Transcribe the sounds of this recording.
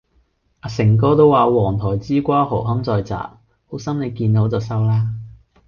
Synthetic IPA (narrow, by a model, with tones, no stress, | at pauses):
aː˨˧sɪ˨˩ŋkɔː˥t̪o˥waː˨wɔː˨˩ŋt̪ʰɔː˨˩jt͡siː˥kʷaː˥ɦo˨˩wɦɐ˥ŋt͡sɔː˧jt͡sa̰ː˨p̚ | ho˨˥wsɐ˥mne˨˧jkiː˧nno˨˥wt͡sɐ˨˩sɐ˥wlaː˥